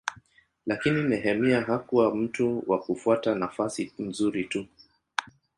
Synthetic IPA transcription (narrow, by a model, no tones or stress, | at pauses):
lakininɛɦɛmiaɦakuwam̩tuwakufuatanafasim̩zuɾitu